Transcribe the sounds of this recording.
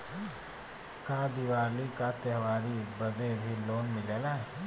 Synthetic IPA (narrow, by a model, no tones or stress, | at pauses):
kad̪iwaːlikat̪ɛɦʋaːɾibəd̪ebʱiloːnmɪleːla